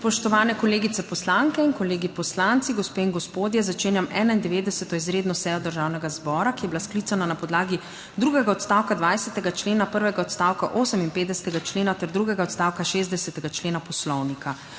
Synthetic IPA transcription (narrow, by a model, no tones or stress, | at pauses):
spɔʃt̪ɔʋaːnɛkɔleːɡit̪sɛpɔslaŋkɛinkɔleːɡipɔslant̪siɡɔspeːinɡɔspoːd̪jɛzat͡ʃeːnjamɛːnaind̪ɛʋeːd̪ɛsɛt̪ɔizɾeːd̪nɔsɛːjɔd̪əɾʒaːwnɛɡazbɔːɾakijɛbilasklit̪sananapɔd̪laːɡi | d̪ɾuːɡɛɡaɔt̪st̪awkad̪ʋajsɛt̪ɛɡat͡ʃleːnapəɾʋɛɡaɔt̪st̪awkaʔoːsəminpeːt̪d̪ɛsɛt̪ɛɡat͡ʃleːnat̪ɛɾd̪ɾuːɡɛɡaɔt̪st̪aːwkaʃeːzd̪ɛsɛt̪ɛɡat͡ʃleːnapɔslɔwnikʰa